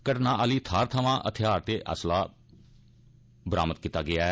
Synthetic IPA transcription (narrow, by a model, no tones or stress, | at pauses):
kəʈnãːʔəliːt̪ʰaːɾt̪ʰəʋãːʔət̪ʰɪjaːɾt̪eːʔə̰slaː | bəɾaːmət̪̚kiːt̪ːaːɡɪaː